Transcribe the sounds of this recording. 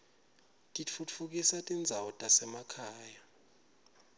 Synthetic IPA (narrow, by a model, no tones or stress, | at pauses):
tʼit͡fʰufuk̬ʼisatʼind͡zʱawɔtʼasɛmakʰaːja